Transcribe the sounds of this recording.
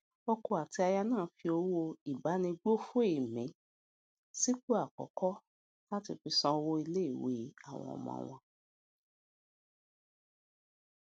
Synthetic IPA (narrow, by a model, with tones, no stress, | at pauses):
o˧ko˧a˨ti˧a˧ja˧nãː˦˨˦fi˧o˧˦wo˧i˨ba˨˦nĩ˧ɡ͡bo˦fu˦e˦˨mĩ˨˦ | si˦k͡po˦a˦˨kɔ̰˨˦kɔ˦ | la˦tḭ˧fi˧sã˧o˧wo˦i˧le˦i˦˨we˧˦a̰˦˨w̃ɔ̰̃˧˨ɔ̰˧˨mɔ̰̃˧w̃ɔ̃˧